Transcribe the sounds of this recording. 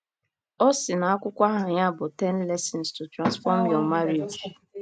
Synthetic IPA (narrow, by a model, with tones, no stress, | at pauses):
ɔ˦sɪ˨na˨a˦kʷʊ˦kʷa˦ɦa˨ɲa˦bʊ˨tɛ˦n̩˦lɛ˦sɛ˨n̩˨stu˨tɾa˨nsfɔ˦m̩˦jɔ˨ma˦ɾi˨d͡ʒ